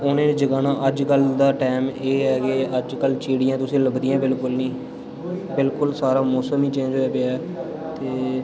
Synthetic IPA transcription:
oːnẽːd͡ʒəɡaːnaːʔəd͡ʒkəld̪aːʈɛːmeːɦɛːkeəd͡ʒkəlt͡ʃeːɽijãːt̪ʊsĩːləbd̪ijãːbɪlkʊlnĩː | bɪlkʊlsaːɾaːmoːsəmiːt͡ʃẽːd͡ʒɦoːɛːbeɛː | t̪eː

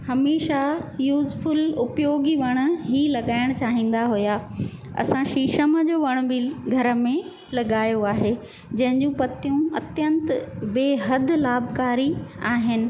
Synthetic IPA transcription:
hɐmeːʃajuːzfʊlʊpjoːɡiʋɐɽ̃ʊ̆ɦilɐɠaːɪɽ̃t͡ɕaːɦĩːn̆d̪aɦʊjaːɐ̰sãʃiːʃəməd͡ʑoːʋɐɽ̃ʊ̆biɡʱɐɾə̆mẽ | lɐɠaːjoaːɦe | d͡ʑɐ̃ɦɪ̃ɲd͡ʑũpɐt̪ijũɐt̪jə̃nt̪beːɦɐd̪ʱʊ̆laːbkaːɾiaːɦɪnɪ̆

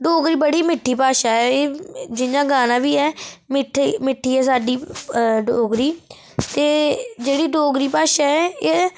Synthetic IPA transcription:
ɖoːɡɾiːbəɽiːmɪʈʰːiːpaːʃaːɛːeːd͡ʒɪnãːɡaːnãːʋiːɛːmɪʈʰimɪʈʰːiːɛːsaːɖiːɖoːɡɾiː | t̪eːd͡ʒeːɽiːɖoːɡɾiːpaːʃaːɛːeː

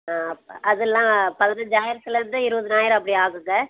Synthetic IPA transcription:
aʔɐðɯlːãːpɐðɐnɯd͡ʒaːɪɾsɪlɐɾɯnd̪ɯɪɾɯʋɐðɯnaːjɪɾɐp̬ːɐɽiaːɣɯŋɡɐ

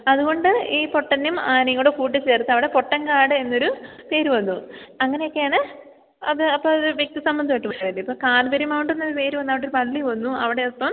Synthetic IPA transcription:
ɐðuɣo̞ɳɖɨiːpo̞ʈːɐnːumaːnɐŋːɐɭuɽekuːʈ̬ːit͡ɕe̞ːrt̪ːɨɐʋiɽe̞po̞ʈːɐŋkaːɽɨe̞nːo̞ɾupe̞ːɾuʋɐnːuɐŋːɐne̞jo̞kːe̞jaːɳɨ | ɐðɨɐpːɐːɐðɨʋjek̚t̪isɐmbɐnd̪iɐiʈːɨmɐɐðɐndiipːoːkaːlbɐɾumaːwuɳʈːenːoðupe̞ːɾuʋɐnːɐʋiɽeoɾupɐlːiʋɐnːuɐʋiɽe̞opːɐm

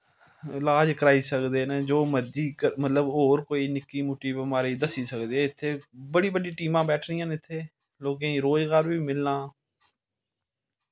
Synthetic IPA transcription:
ɪlaːd͡ʒkəɾaːiːsəkd̪eːneːd͡ʒoːməd͡ʒiːkəmət̪ləboːɾkoːiːnɪkːiːmʊʈːiːbəmaːɾiːd̪əsiːsəkd̪eːɪt̪ʰːeːbəɽiːbəɖiːʈiːmãːbɛːʈʰɾiːãːnɪt̪ʰːeː | loːɡẽːĩːɾoːzɡaːɾʋiːmɪlːãː

